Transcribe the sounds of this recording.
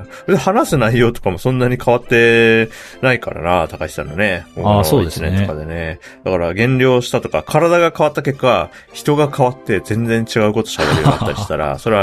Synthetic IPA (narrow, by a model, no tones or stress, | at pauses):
ked̪ehanasɨnaijo̞ːt̪o̞̥kamo̞sõ̞nːaɲ̟ikaβ̞at̪ːe̞ | naika̰ɾa̰nat̪akai̥t̪a̰none̞koːooesineokad̪e̞ne̞ | d̪akaɾaɡẽ̞nɾʲo̞ːɕi̥t̪at̪o̞kakʰaɾad̪aɡakaβat̪ːake̞kːa | çi̥t̪o̞ɡakʰaβat̪ːe̞zẽ̞nd͡zẽ̞ɲ̟t͡ɕiɡaɯ̟ko̞t̪o̞̥ɕabe̞ɾɯo̰at̪ːa̰ɾiɕi̥t̪aɾa̰so̞ɾe̞a